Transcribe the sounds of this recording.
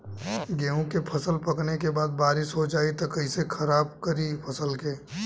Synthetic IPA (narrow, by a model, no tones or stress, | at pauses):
ɡeːũkepʰɐsəlpɐknekebaːd̪̚baːɾɪʃɦod͡ʒaːit̪okɐɪsekʰɐɾaːb̚kɐɾipʰɐsəlkeː